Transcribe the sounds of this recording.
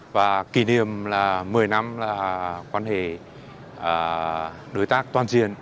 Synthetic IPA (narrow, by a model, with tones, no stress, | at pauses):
vaː˨˩ki˧˩ni˨əmlaː˨˩ɨ˨˩əjna˧˥mlaː˨˩kwaː˧nhe˧˩ | ʔəː˨˩ | ɗo˨˦jt̪aː˦˥k̚t̪waː˨˩nzi˧˨ən